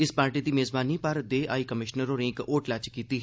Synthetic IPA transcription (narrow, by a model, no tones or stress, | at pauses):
ɪspaːɾʈiːd̪iːmeːzbaːnipəɾd̪eːʔaːikəmɪʃnəɾoːɾẽːkoːʈlɛt͡ʃkiːt̪iːɦ